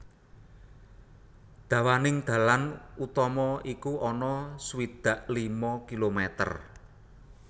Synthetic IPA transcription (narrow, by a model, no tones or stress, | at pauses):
d̪̥ä̤wanɪŋd̪̥ä̤lanut̪ɔmɔikuʔɔnɔswid̪̥a̤ʔlimɔkilomɛt̪ə̰r